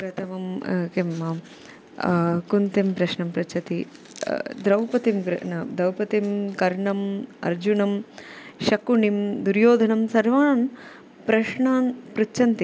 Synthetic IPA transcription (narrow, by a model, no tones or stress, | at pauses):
pɾɐt̪ʰɐmɐmkimːɐm | kunt̪impɾɐʃɳɐmpɾɐt͡ʃʰɐt̪i | d̪ɾɐwpɐt̪imɡɾnɐd̪ɐwpɐt̪imkɐɾɳɐmɐ̰ɾd͡ʒunɐmʃɐkuɳimd̪uɾjoːd̪ʱɐnɐmsɐɾʋaːɳɐn | pɾɐʃɳaːnpɾuːt͡ʃɐnt̪i